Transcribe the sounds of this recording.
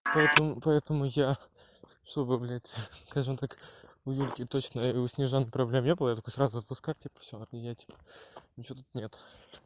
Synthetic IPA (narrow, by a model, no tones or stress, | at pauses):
pɐɛt̪əmʊpɐɛt̪əmʊja | ʂt̪obɨblʲætʲskaʐɨmt̪ak | ʊjulʲkʲɪt̪ot͡ɕnəʊsʲnʲɪʐonːɨjpɾɐblʲemnʲebɨlˠjat̪ɐkojsɾazʊɐt̪̚pʊskafʲtʲipə̥fsʲojatʲi̥pə̥nʲɪt͡ɕot̪ut̪nʲe̞t̪ʊ̥